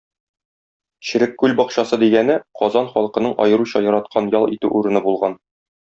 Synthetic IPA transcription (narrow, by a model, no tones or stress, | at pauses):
ɕɘ̆ɾɘkːʉlʲbɒqɕɑsɤd̪iɡænɘqɒzɑnχɒlˠqɤ̆nɤɴʔɒ̰jɤ̆ɾuɕɑjɒɾɑt̪̚qʰɑnjɒlˠḭt̪ʉʔuɾɤ̆nɤbulˠʁɑn